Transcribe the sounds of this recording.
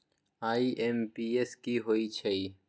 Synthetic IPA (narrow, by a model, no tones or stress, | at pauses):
aːiʔempiːeskiɦoːit͡ʃʰɐiː